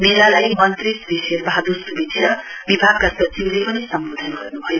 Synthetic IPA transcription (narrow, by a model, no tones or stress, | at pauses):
meɾalajmʌnt̪risbiserbaɦad̪usubid̪ʰʱijʌbibʱaɡ̚kasʌt͡sʰiblepʌnisʌmbod̪ʱʌnɡʌrnubʱʌjo